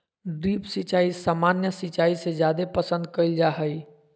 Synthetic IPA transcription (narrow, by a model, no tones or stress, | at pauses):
ɖɾiːpsɪt͡ʃaːisaːmaːnjəsɪt͡ʃaːisezjaːd̪epɐsə̃nd̪̚kəild͡ʒaːɦəi